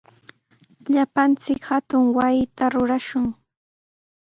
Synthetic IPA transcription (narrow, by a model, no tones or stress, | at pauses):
ʎapant͡sɪkhat̪ʊŋwajɪt̪aɾʊɾaʃʊŋ